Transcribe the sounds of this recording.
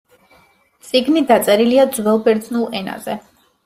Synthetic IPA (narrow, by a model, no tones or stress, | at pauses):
t̪sʼiɡnid̪at̪sʼɛɾiliad̪zwɛlˠbɛɾd̪znulˠɛna̰zɛ